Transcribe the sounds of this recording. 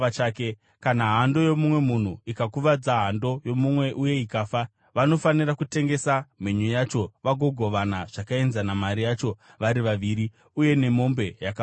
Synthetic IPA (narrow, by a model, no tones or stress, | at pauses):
t͡ʃaːke | kanaɦando̞jo̞mumwe̞mun̤uikakuʋad͡zaɦando̞jo̞mumwe̞ʔuje̞ikaːfa | ʋano̞fanirakute̞ŋɡe̞sameɲujat͡ʃo̞ʋaɡʱo̞ɡʱo̞ʋanaʐ̥akae̞nzanamaɾijat͡ʃo̞ | ʋaɾiʋaʋiːɾi | uje̞ne̞mo̞mbe̞jaka